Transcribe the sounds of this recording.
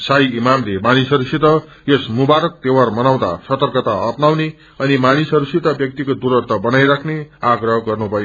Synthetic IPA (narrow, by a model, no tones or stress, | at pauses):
sajimamlemanisɦʌɾusit̪ʌ | esmubaɾʌk̚t̪ewarmʌnaw̃d̪a̰sʌt̪ʌrkʌt̪aʌpnawne | ʌnimanisʌɾusit̪ʌbjʌk̚t̪ikod̪uɾʌrt̪ʌbʌnajɾakʰneaɡrʌɦʌɡʌrnupʌjo